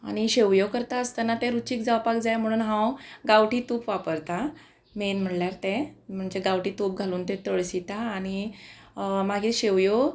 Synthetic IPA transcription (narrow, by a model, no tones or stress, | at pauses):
a̰ɽ̃iɕeʋjokəɾt̪aəst̪anat̪ẽɾut͡ɕiːk̚d͡zawpak̚d͡zajm̤əɽ̃uːnɦãwɡaʋʈiːt̪upʋapəɾt̪a | menm̤əʈljaɾt̪ẽm̤əɳd͡ʑeɡawʈiːt̪up̚ɡʱaluːnt̪ɛ̃t̪əɭsit̪aːɽ̃i | maɡʱiːɕeʋjo